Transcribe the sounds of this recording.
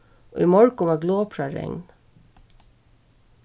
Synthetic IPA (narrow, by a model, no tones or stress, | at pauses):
ʔo̰ːiːmɔɹkʊmæːɡloːpʰɹɑɾɛ̰ŋn